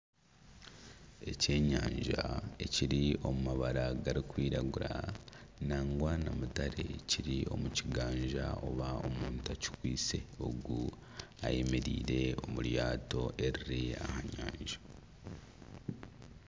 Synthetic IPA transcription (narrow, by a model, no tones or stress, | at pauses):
e̞ce̞ːɲaːɲʒae̞ciɾio̞mumaβaɾaɡaɾikwiːɾaɡuɾanaːŋɡwanamutaɾe̞̰ciɾio̞muciɡaːɲʒaʔo̞βao̞muːntaci̥kwiːt͡se̞o̞ɡu | a̰je̞me̞ɾiːɾe̞o̞muɾjaːto̞ʔe̞ɾiɾiahaɲaːɲʒḁ